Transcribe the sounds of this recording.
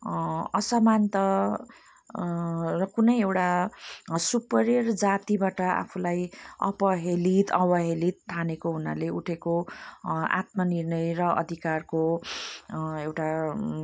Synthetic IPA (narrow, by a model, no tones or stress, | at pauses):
ʌsʌmant̪ʌ | rʌkunʌjewʈa | supʌɾerd͡zat̪ibaʈʌa̰pʰulajʌ̰pʌɦelit̪ʌbʌɦelit̪ʰːanekoɦuna̰leuʈʰeko | a̰t̪mʌnirnʌjrʌʌ̰d̪ʱikarko | ewʈa